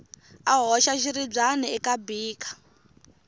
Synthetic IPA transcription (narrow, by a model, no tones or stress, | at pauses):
aɦɔʃaʃiɾib͡ʐaniɛkabiːkʰḁ